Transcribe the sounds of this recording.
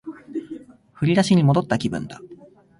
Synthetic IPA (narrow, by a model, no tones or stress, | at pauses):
ɸɯ̟ɾʲiɾaɕiɲ̟imo̞d̪o̞t̪ːakʲibɯ̟̰̃nd̪a